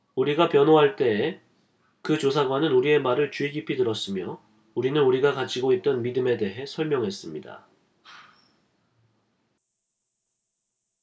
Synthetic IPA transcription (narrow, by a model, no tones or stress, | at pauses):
uɾiɡapjʌnoɦaɭt͈e̞ː | kɯt͡ɕosʰaɡwanɯnuɾie̞maɾɯɭt͡ɕuiɡipʰidɯɾʌs͈ɯmjʌ | uɾinɯnuɾiɡakat͡ɕ͈ʰiɡoit̚t͈ʌnmidɯme̞de̞ɦe̞sʰʌɭmjʌŋɦe̞s͈ɯmɲida̰